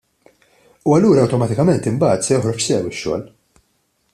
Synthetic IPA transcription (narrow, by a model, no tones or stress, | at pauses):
uɐlːuːɾɐɐwt̪ɔmɐt̪ɪkɐmɛnt̪ɪmbɐːt̪sɛjɔħɾɔħsɛwɪʃːɔ̰ːl